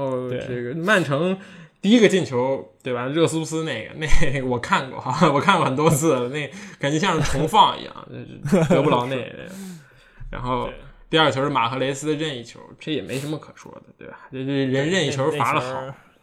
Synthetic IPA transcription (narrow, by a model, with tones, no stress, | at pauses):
xo˥˧ʊʈ͡ʂə˥˩ɡə˩ma˥˩nʈ͡ʂʰɤ˧˥ŋt̪i˥˩i˥ɡə˧t͡ɕi˥˩nt͡ɕʰjo˧˥ʊt̪we˥˩ɪba˩˧ɻɤ˥˩s̩˥u˥sɹ̩˥ne˥˩ɪɡə̰˩ne˥˧ɪwɔ˨˩kʰa˥˩nkwɔ̰˥˩wɔ˨˩kʰa˥˧nkwɔ˩xə˨˩nt̪wɔ˥t͡sʰɹ̩˥˩lə˩ne˥˩ɪka˨˩nt͡ɕɥɛ˧˥ɕjɑ˥˧ŋʂ̩˥˩ʈ͡ʂʰʊ˧˥ŋfɑ˥˩ŋḭ˧˥jɑ̰˥˩ŋt͡ɕo̰˥˧ʊʂ̩˥˩t̪ɤ˧˥pu˥lɑ˧˥ʊne˥˩ɪn̰˥˩˥ | ɻa̰˧˥nxo˥˩ʊt̪i˥˧ɐ˞˥˩t͡ɕʰjo˧˥ʊʂɻ̩˥˩ma̰˨˩kʰɤ˧˥le˧˥ɪsɹ̩˥d̪ə˨˧ɻə˥˧ni˥˩t͡ɕʰjo˧˥ʊʈ͡ʂjɛ˨˩mḛ˧˥ɪʂə˧˥nmə˧kʰɤ˨˩ʂwɔ̰˥d̪ə˨˩t̪wḛ˥˩ɪa˩ʈ͡ʂo˥˧ʊʂ̩˥˩˧ɻə˧˥nɻə˥˧ni˥˩t͡ɕʰjo˧˥ʊ˥˩fa˧˥lə˧xɑ˨˩˦